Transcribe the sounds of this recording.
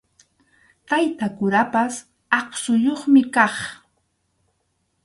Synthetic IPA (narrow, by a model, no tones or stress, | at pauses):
t̪ajt̪akʊɾapas | ɑχsʊjoχmɪkɑχ